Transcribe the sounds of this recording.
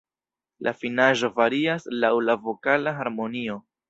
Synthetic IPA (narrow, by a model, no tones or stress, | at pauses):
lʔa̰finaʒo̞vaɾiaslawlavo̞kalaɦaɾmo̞nio̞